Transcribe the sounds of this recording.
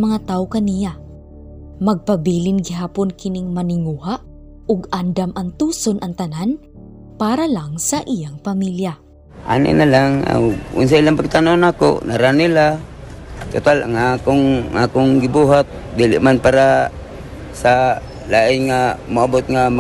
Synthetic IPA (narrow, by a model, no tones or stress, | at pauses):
mɐŋat̪aːʔokɐnija | mɐɡ̚pɐbiːlɪŋɡɪɦaːponkɪnɪŋmɐnɪŋuhaʔ | ʊɡand̪amʔɐŋt̪uːsonʔɐŋt̪ɐnan | paːɾalaŋsɐʔijaŋpɐmilja | ʔa̰nɪ̰ʔnalaŋa̰ʊ̰ns̬ailaŋpaɡ̚t̪anonaːko̰ʔnaɾanɪla | t̪ʊt̪alaŋakoŋʔakoŋɡɪbuɦat̪̚d̪iːlɪ̰ʔmanpaːɾa | sa | laːʔɪnŋamʊabot̪̚ŋam